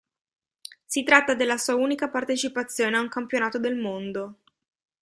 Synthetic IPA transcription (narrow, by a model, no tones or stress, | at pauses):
sit̪ɾat̪ːad̪elːasuːauːnikapart̪et͡ʃipat̪sːjoːneauŋkampjonaːt̪od̪elmond̪o